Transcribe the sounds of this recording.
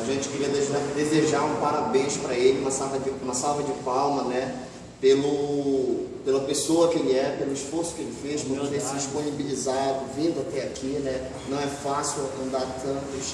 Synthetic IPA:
aʒẽt͡ʃɪ̥kɪɾiɐd̪eʒad̪ezeʒaɾũpaɾabẽj̃spɾɐelɪũmɐsavɐd͡ʒɪũmɐsawvɐd͡ʒɪpawmɐnɛ | pelʊ | pelɐpesoɐkẽj̃ɛpelʊisfoɾsʊ̥kɪelɪfeʃpõt̪esɪid͡ʒiʃponibilizad̪ʊvĩnd̪ʊat̪ɛakʰinɛ | nɐ̃w̃ɛfasiuwɐ̃nd̪aɾt̪ɐ̃t̪ʊ

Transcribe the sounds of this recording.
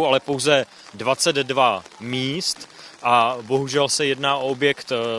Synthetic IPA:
walɛpowzɛ | dvat͡sɛd̪ːvamiːst̪ʔabo̞ɦuʒɛlsɛjɛdnaːʔo̞objɛkt̪

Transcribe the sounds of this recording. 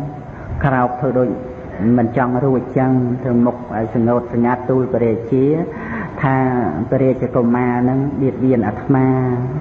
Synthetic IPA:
kraɔk̚t̪ʰəːɗoːc̚ | mɨnt͡ɕɑŋruəc̚t͡ɕəŋt̪rɨwmuk̚ʔaɔjsɑŋːoːt̪̚sɑŋːat̪ːuːlpiɾɛːc̚t͡ɕiə | t̪ʰaːpeɾɛːc̚t͡ɕikomaːnɨŋɓiət̪̚ʋiənʔat̪ʰmaː

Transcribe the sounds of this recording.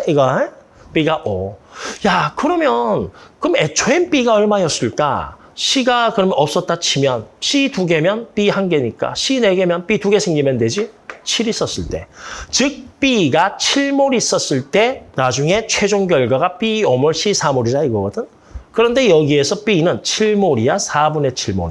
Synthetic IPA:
iɡʌ | p͈iɡaʔʌjakɯɾʌmjʌnkɯme̞t͡ɕʰoenp͈iɡaʌɭmajʌs͈ɯɭk͈a̰ | ɕʰiɡakɯɾʌmjʌnʌp̚s͈ʌt̚t͈at͡ɕʰimjʌnɕʰituɡe̞mjʌnp͈ihanɡe̞ɲik͈a̰ɕʰine̞ɡe̞mjʌnp͈ituɡe̞sʰeŋɡimjʌndwe̞d͡ʑit͡ɕʰiɾis͈ʌs͈ɯɭt͈e̞t͡ɕɯk̚p͈iɡat͡ɕʰiɭmoɾis͈ʌs͈ɯɭt͈e̞nad͡ʑuŋe̞t͡ɕʰwe̞d͡ʑoŋɡjʌɭɡwaɡap͈iomʌɭɕʰisʰamoɾidaiɡʌɡʌdɯn | kɯɾʌnde̞jʌɡie̞sʰʌp͈inɯnt͡ɕʰiɭmoɾiasʰabune̞t͡ɕʰiɭmo̰ɾi

